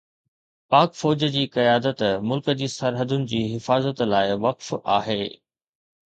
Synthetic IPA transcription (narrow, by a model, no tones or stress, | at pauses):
paːkfɔːd͡ʑəd͡ʑiːkɐjaːd̪ət̪mʊlkəd͡ʑiːsɐɾɦəd̪ʊnɪ̆d͡ʑiːɦɪfaːzət̪laːɪʋɐqfa̰ːɦeː